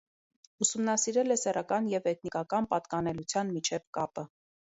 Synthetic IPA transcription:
usumnɑsiɾɛlɛsɛrɑkɑnjɛvɛk̪̚ʰnikɑkɑnpɑt̪kɑnɛlut͡sʰjɑnmit͡ʃʰɛvkɑpə

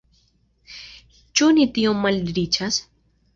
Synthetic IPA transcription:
t͡ʃunit̪ijõmɐlɾit͡ʃʰas

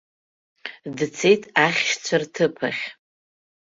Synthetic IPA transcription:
dt͡sʰe̞jtʼʰaχʲʃt͡sʷʰartʰɨpʰa̰χʲ

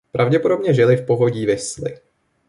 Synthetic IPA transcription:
pɾavɟɛpo̞dobɲɛʒɪlɪfpo̞ɦoɟiːvɪslɪ̰

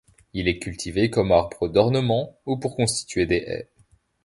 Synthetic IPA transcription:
ilɛkʲylt̪ʰivekɔmaʁbʁəd̪ɔʁnəmɑ̃upuʁkɔ̃st̪i̥t̪ɥed̪eʔɛ̰

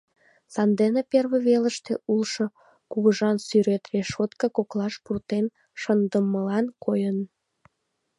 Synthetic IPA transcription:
sɑnd̪eneperβeβeləʃt̪ḛulʃo | kuɣəʒɑnsyɾet̪reʃot̪kəkoklɑʃpurt̪en | ʃənd̪əmːəlɑnkʰojən

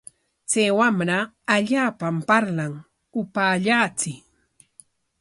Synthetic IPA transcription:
t͡sajwamɾaː | ʎaːpampaɾlaŋ | ʊpaːʎaːt͡sɪ

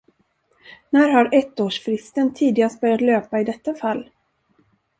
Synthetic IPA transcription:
næːɾhaɾɛt̪ːoːʂfɾɪst̪ənt̪ʰiːd̪ɪɡast̪̚bœɾjat̪løːpaɪd̪ɛt̪ːafalː

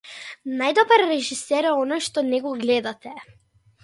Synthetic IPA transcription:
najd̪ɔbaɾːɛʒisɛɾɛɔnɔjʃt̪ɔnɛɡɔɡlɛd̪at̪ɛ

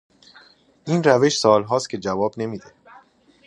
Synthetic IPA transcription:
ʔiːnræve̞ʃsɒːlɦɒːscʰʲe̞d͡ʒævɒːbne̞miːd̪e̞

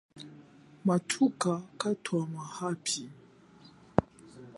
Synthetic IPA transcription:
matʰukakatʰwamahapʰi

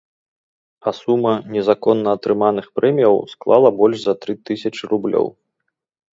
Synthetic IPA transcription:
ɐsumɐnʲɛzakɔnːɐːt̪ɾɨmanɨxpɾɛmʲijɐwsklˠa̰lˠɐbɔlʲʂzɐt̪ɾɨt̪ɨsʲɐt͡ʂɨɾublʲɔ̰w

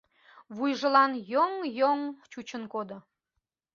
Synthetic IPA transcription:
βujʒə̆lɑnjoŋjoŋt͡ɕut͡ɕənkod̪o

